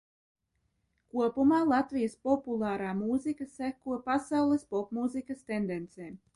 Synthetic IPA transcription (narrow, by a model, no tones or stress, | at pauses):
kuɔpumaːlˠat̪vijaspɔpulˠɑːɾaːmuːzikasækuɔpasawlˠespɔpmuːzikast̪end̪ɛnt̪sɛː